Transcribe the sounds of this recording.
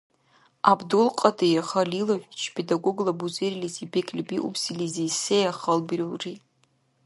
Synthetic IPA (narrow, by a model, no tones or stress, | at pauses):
abdulqʼadʰejaχalilaʒʷᶣit͡ʃʰpʰedaɡʷoɡlabuzerilizibekʰʼlʲibiʔṵpʰsilizijsejaχəlbriri